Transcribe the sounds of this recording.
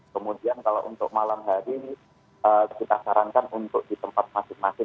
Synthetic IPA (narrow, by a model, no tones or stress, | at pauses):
kəmudiankalawʔunt̪ʊk̚malamɦaɾi | əkit̪asaɾankanunt̪ʊk̚dit̪əmpat̪̚masɪŋmasɪ